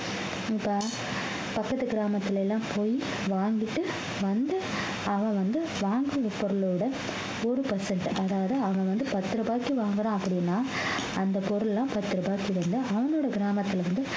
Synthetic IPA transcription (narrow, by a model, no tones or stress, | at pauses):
ɪpːɐ | pɐkːɐt̪ːɯɡɪɾaːmɐt̪ːɯlɛlːãːpʰoːji | ʋaːŋɡɪʈːɯ | ʋɐnd̪ɯ | ɐʋɐ̃ʋɐnd̪ɯ | ʋaːŋɡɯɐpɔɾɯlɯɽɐ | ɔɾɯpɐsɐɳʈʔɐðaːʋɐðɯɐʋɐ̃ʋɐnd̪ɯpɐt̪ːɯɾɯbaːkːiʋaːŋɡɐɾãːɐpːɐɽɪnːaː | ɐnd̪ɐpɔɾɯlɛlːãːpɐt̪ːɯɾɯbaːkːiʋɐnd̪ɯɐʋɐnoːɽɐɡɪɾaːmɐt̪ːɪlʋɐnd̪ɯ